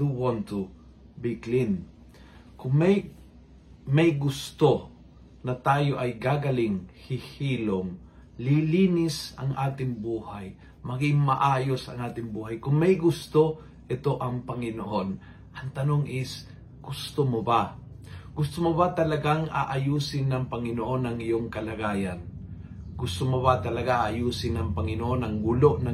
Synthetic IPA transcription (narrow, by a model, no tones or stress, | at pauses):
d̪uwɔnt̪u | bɪklɪn | kʊŋmɛj | mɐjɡʊst̪o | nɐt̪aːjo̞ʔɐjɡaɡɐlɪŋhɪhiːloŋ | lɪliːnɪsɐ̰ŋʔaːt̪ɪŋbuːhaj | mɐɡɪŋmɐʔaːjosɐ̰ŋʔaːt̪ɪŋbuːɦajkʊŋmɐjɡʊst̪o | ʔɪt̪oʔɐŋpɐŋɪnoʔon | ʔɐŋt̪ɐnoŋʔɪs | ɡ̥ʊst̪omoba | ɡ̥ʊst̪omobat̪ɐlɐɡaŋʔa̰ʔajuːsɪnːɐŋpɐŋɪnoʔonɐŋɪjoŋkɐlɐɡaːjan | ɡʊst̪omobat̪ɐlɐɡaaajuːsɪnɐŋpɐŋɪnoʔonɐŋɡuloʔna